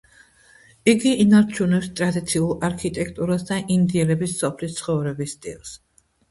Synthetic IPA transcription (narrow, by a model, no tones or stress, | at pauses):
iɡiʔːnaɾt͡ʃʰunɛpst̪ʼɾad̪it̪sʰiulˠaɾkʰit̪ʼɛk̚ʰʼt̪ʼuɾasd̪aʔind̪iɛɾɛbisːɔpʰlist̪sʰχɔvɾɛbisːt̪ʼḭlˠs